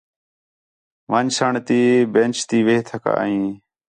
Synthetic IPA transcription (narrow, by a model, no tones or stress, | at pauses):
ʋãːɲsəɳt̪iːbẽːnt͡ʃt̪iːʋeːt̪ʰəka̰ːa̰ĩː